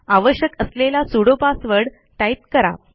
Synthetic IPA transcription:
aʋəɕjəkəslelasuɽopasʋəɽ | ʈajt̪kəɾa̰

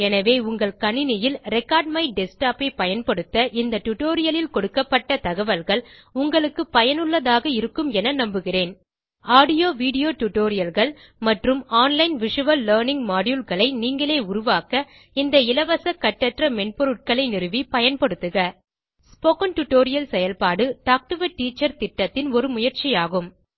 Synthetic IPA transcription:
ɛnɐʋeːʊŋɡɐɭkɐɳɪnɪjɪlɾɛkːaːɾɖ̚mɐɪɖɛsʈaːpɐɪpɐjɐnpɐɽɯt̪ːɐʔɪnd̪ɐʈʊʈoːɾɪjɐlɪlkɔɽɯkːɐpːɐʈːɐt̪ɐɣɐʋɐlɣɐɭʊŋɡɐɭɯkːɯpɐjɐnɯɭːɐðaːɣɐɪɾɯkːɯmɛnɐnɐmbɯɣɪreːn | aːɽɪjoːʋiːɽɪjoːʈʊʈoːɾɪjɐlɣɐɭ | mɐʈrɯmaːnlɐɪnʋɪʂɯʋɐlːɐːɾnɪŋɡmaːɽjulɣɐɭɐɪniːŋɡɐɭeːʊɾʊʋaːkɐ | ɪnd̪ɐɪlɐʋɐsɐkːɐʈːɐʈrɐmɛɳpɔɾɯʈ̚kɐɭɐɪnɪɾɯʋipɐjɐnpɐɽɯt̪ːɯɣɐ | spoːkɐnʈʊʈoːɾɪjɐlsɛjɐlpaːɽɯʈaːk̚ʈɯʋɐʈːiːt͡ʃːɐɾt̪ɪʈːɐt̪ːɪnɔɾɯmʊjɐɾt͡ʃɪjaːɣɯm

